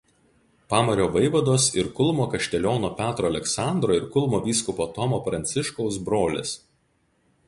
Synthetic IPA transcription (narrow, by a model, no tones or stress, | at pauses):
pɑːmɐɾʲoːʋɐɪʋɐd̪oːsɪɾkʊlˠmoːkɐʃʲt̪ʲɛlʲoːnoːpʲæːt̪ɾoːɐlʲɛksɑˑnd̪ɾoːɪɾkʊlˠmoːʋʲiːskʊpoːt̪ɔmoːpɾɐnʲt̪sʲɪʃkɔʊsbɾoːlʲɪ̰s